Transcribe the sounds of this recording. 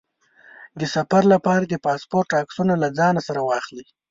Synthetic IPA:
d̪əsafaɾlapɑɾad̪əpɑspoɾʈɑksunalad͡zɑnasaɾawɑxli

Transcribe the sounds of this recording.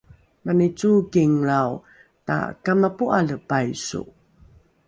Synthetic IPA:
manit͡sukiŋɾaw | ta̰kamapuʔaləpajsṵ

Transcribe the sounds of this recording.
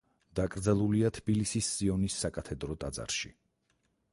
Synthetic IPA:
d̪̥akʼɾd̪zɛlˠuliat̪ʰb̥ilisisːiɔnisːakʼat̪ʰɛd̪ɾɔt̪ʼad̪za̰ɾʃḭ

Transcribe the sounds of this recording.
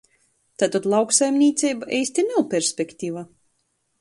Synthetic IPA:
t̪at̪at̪lˠawksajmnʲiːt̪sʲɛjbaʔɛjsʲt̪ʲinawpʲɛɾsʲpʲekt̪ʲiva

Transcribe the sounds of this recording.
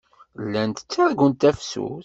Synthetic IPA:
lːænt̪ə̥t͡sːaɾɡənt̪æfsṵθ

